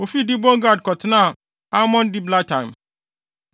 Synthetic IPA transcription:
o˨fi˦dɪ˦bõ˦ŋ˦ɡa˦˨d̚kɔ˨tʰɪ˦nã˦˨ | a˦mɔ̃˦n˦dɪ˦bla˦tã˨ɪ̃˨m

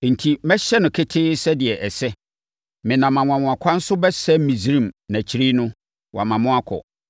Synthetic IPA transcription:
n̩˨tʰi˨mɛ˦ɕɛ˦nʊ̃˨kʰɪ˦tʰɪː˦sɛ˦dɪ˨ɛ˨ʔɛ˨sɛ˦ | mɪ̃˨nã˨mã˨mw̃ã˨mʊ̃˨a˨kʷʰa˦n̩˦sʊ˦bɛ˦sɛ˦mĩ˨sɾĩ˦˨mnæ̃˨t͡ɕʰi˦ɾi˦nʊ̃˦ | wʔa˨mã˨mʊ̃˦a˦kʰɔ̰˨

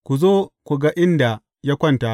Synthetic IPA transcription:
kʷu˨zoː˦kʷu˨ɡa˦ʔɪ˦nda˨ | ja˦kʷɐ˦nta˨

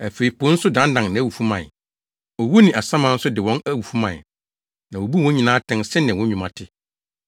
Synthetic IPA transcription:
æ˨fe˨i˨pʰo˦n̩˦sʊ˦dã˨˦n˦dã˨ŋnã˨æ˦˨wu˨fu˦mã˨ | ɔ˨wo˦nĩ˨ʔa˨sã˦mã˨˦n̩˦sʊ˦dɪ˨wɔ̃˦næ˦wu˨fu˦mã̰˨ | nã˨o˨bu˦wɔ̃˦ɲĩ˨nãː˦tʰɛ̃˦nsɪ̃˦nɪ̃˨wɔ̃˦ɲũ˨mã̰˨tʰɪ˦

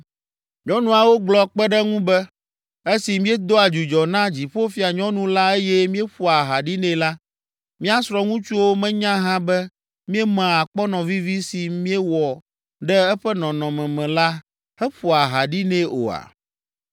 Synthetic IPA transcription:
ɲɔ̃˦nũ˦a˨wo˦ɡ͡blɔ˨k͡pɛ˦ɖɛ˦ŋũ˦bɛ˦ | e˦si˨mĩ˦e˦d̪o˦a˨d͡ʒu˨d͡ʒɔ˨nã˦d͡ʑi˨ɸo˦fi˦a˨ɲɔ̃˦nũ˦la˦e˦jɛ˦mĩ˦e˦ɸu˦a˨ɦa˨ɖi˦nɛ̃˦la˦ | mĩ˦a˦sɾɔ˦ŋũ˦t͡ʃu˦wo˦mɛ̃˦ɲã˦ɦã˦bɛ˦ | mĩ˦ɛ˦mã˨a˨k͡pɔ˦nɔ̃˨vi˦vi˦si˨mĩ˦e˦wɔ˨ | ɖɛ˦ɛ˦ɸɛ˦nɔ̃˨nɔ̃˨mɛ̃˨mɛ̃˨la˦ | hɛ˦ɸu˨a˨ɦa˨ɖi˦nɛ̃˦o̰˨a̰˨

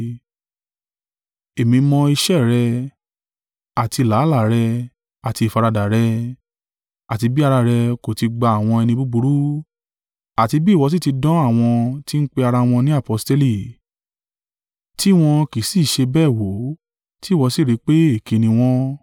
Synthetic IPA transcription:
e˨mĩ˧mɔ̃˧i˧ʃɛ˦˨ɾɛ˧ | a˨ti˧˨la˨˦la˦ɾɛ˧ | a˨ti˧˨fa˧ɾa˧da˨ɾɛ˧ | a˨ti˧bi˦a˧ɾa˧ɾɛ˧ko˨ti˧ɡ͡ba˧a˨w̃ɔ̃˧ɛ˧nĩ˧bu˦bu˧˦ɾu˦ | a˨ti˧bi˦˨wɔ˨˧˦s̬i˦˨ti˧dɔ̃˦a˦˨w̃ɔ̃˧ti˦n̩˦k͡pe˧a˧ɾa˧w̃ɔ̃˧nĩ˦a˦˨pɔ˧˦ste˦li˦˨ | ti˦w̃ɔ̃˧ki˨˦si˦˨ʃe˧bɛː˦˨wo˨˦ | ti˦˨wɔ˨˧˦si˦˨ɾi˨˦k͡pe˦e˦˨ki˧nĩ˧w̃ɔ̃˦

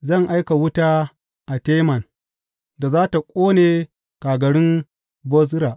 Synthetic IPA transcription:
zɐ˦˨ŋʔa˦jka˨wʊ˦taː˦ | ʔa˨teː˦mɐ˨n | da˨zaː˦ta˨kʷʼoː˦neː˨ | kaː˨ɡɐ˨ɽɪ˦m | bɔ˦z̬ɾa˨ʔ

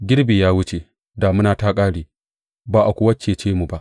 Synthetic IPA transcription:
ɡʲɪ˦ɽbiː˨jaː˦wʊ˦t͡ʃe˨ | da˨mʊ˦naː˨taː˦kʼaː˦ɽiː˨ | baː˨ʔa˨kʷʊ˦ɐ˦t͡ʃeː˨t͡ʃeː˦mu˨ba˦˨ʔ

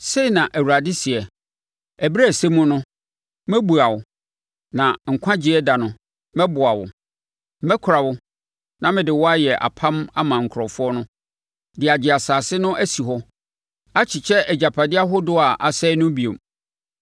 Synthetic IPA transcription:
se˦i˨nã˨ʔæ˨wu˨ɾa˨dɪ˦si˨ɛ˨ | æ˨bi˦ɾæ˦˨se˦mʊ̃˦nʊ̃˦ | mɛ˦bu˨a˨wʊ˨ | nã˨ŋ̩˨kʷʰã˦d͡ʑi˨˦ɛ˦da˨nʊ̃˨ | mɛ̃˦bʊ˨a˨wʊ̰˨˦ | mɛ̃˦kʰʊ˨ɾa˨wʊ˦ | nã˦mɪ̃˨dɪ˨wɔ˦a˦jɛ˨ʔa̰˨pʰã˦ma˦mã˨ŋ̩˨kʰɾɔ˨fʊ˦ɔ˦nʊ̃˦ | dɪ˨a˨d͡ʑɪ˨a˨saː˨sɪ˦nʊ̃˦ʔæ˦si˨ɦɔ˦ | a˦t͡ɕʰɪ˨t͡ɕʰɛ˦ʔɛ˨d͡ʑa˨pʰa˨dɪ˦a˦ɦʊ˦dʊ˦a˨ʔa˨sɛ˦nʊ̃˦bi˨o˨m

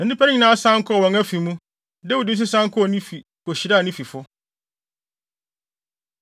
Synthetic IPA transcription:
nã˨˦dɪ˦pʰa˦nɪ˦ɲĩ˨nã˦sã˦ŋ̩˦kʰɔ˦˨wɔ̃˨ŋa˦fi˨mũ˦ | dɛ˦u˨di˦s̬u˦sã˦ŋ˦kʰɔ˦ɔ˨nĩ˦fi˨ | ko˨ɕi˨ɾa˦˨nĩ˦fi˨fʊ˦

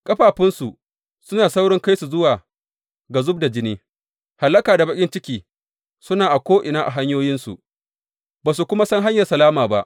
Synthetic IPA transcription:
kʼɐ˦ɸaː˨ɸɪ˦nsu˨ | sʊ˦naː˨sa˦wɽɪ˦ŋka˦jsu˨zʊ˦waː˨ | ɡa˨zʊ˦b̚da˨d͡ʒɪ˦niː˦ | ha˨lːɐ˦kaː˨da˨bɐ˦kʲʼɪ˦nt͡ʃɪ˦kʲiː˨ | sʊ˦naː˨ʔa˨kʷoː˦ʔɪ˨naː˦ʔa˨ɦa˦ɲjoː˦jɪ˦nsṵ˨ʔ | baː˨su˨kʷʊ˦ma˦sɐ˦ŋɦa˦ɲjɐ˨rsɐ˨laː˦maː˨ba˦ʔ

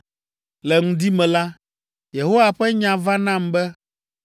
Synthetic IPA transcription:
lɛ˨ŋũ˦d̪i˦mɛ̃˨la˦ | je˨ɦo˦wa˨ɸɛ˦ɲã˨va˦nã˦˨mbɛ˦

